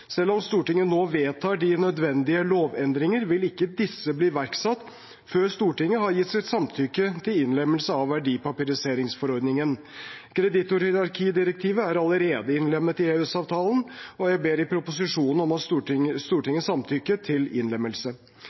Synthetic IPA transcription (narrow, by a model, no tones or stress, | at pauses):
sɛlːɔmst̪uːʈɪŋːənoːʋeːt̪ʰɑːɖɪnœd̪ʋɛnd̪ɪəloːʋɛnd̪ɾɪŋəɾʋɪlɪkːəd̪ɪsːəbliːʋæɾksɑt̪ː | føːɾst̪uːʈɪŋːəɦɑɾjɪt̪ːsɪt̪sɑmt̪ʰʏkːət̪ʰɪlɪnlɛmːəlsəɑʋːæɖiːpɑpɪɾɪseːɾɪŋsfɔɾɔɾd̪nɪŋən | kʰɾɛd̪ɪt̪ːʊɾhɪɾɑɾkʰiːd̪ɪɾək̚t̪ʰiːʋəæɾɑləɾeːd̪əɪnlɛmːət̪ɪeːʉsɑːʋt̪ʰɑːlənɔjæɪbeːɾɪpʰɾʊpʊsɪʂuːnən̩ɔmɑt̪sst̪uːʈɪŋːəsɑmt̪ʰʏkːət̪ʰɪlɪ̰nlɛmːəlsə